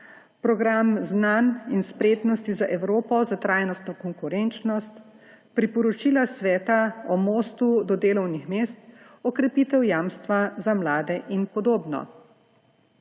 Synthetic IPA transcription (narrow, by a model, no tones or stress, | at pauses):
pɾɔɡɾamznaninspɾeːt̪nɔst̪izaʔɛwɾoːpɔzat̪ɾaːjnɔst̪nɔkɔŋkuɾɛnt͡ʃnɔst̪ | pɾipɔɾɔt͡ʃilasʋɛːt̪aɔmoːst̪ud̪ɔd̪eːlɔwnixmeːst̪ɔkɾɛpiːt̪ɛwjaːmst̪ʋazamlaːd̪ɛʔinpɔd̪oːbnɔ̰